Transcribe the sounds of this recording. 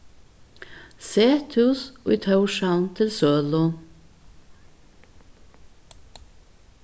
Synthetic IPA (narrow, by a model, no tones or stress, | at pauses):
seːt̪ʰʉso̰ːit̪ʰɑʉʃɑʊnt̪ʰɪlsøːlʊ